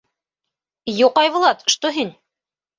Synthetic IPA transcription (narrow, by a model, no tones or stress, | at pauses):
juqɑjβŏlˠɑt̪̆ʃt̪oɦin